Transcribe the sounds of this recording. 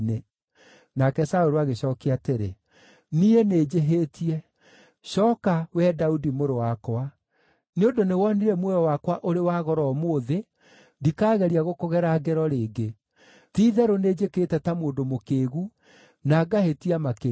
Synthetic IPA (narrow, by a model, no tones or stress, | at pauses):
ne | nakɛsaoɾoaɣeɕɔkeateɾḛ | nieneːd͡ʒeɦeːtiɛ | ɕɔːkawɛdaudimoɾowakwa | neondonewɔniɾɛmwɛjɔwakwaʔoɾewaɣɔɾɔːmoːðe | dikaːɣɛɾiaɣokoɣɛɾaːɡɛɾɔɾeːɡe | tiːðɛɾoneːd͡ʒekeːtɛtamoːndomokeːɣu | naɡahetiamake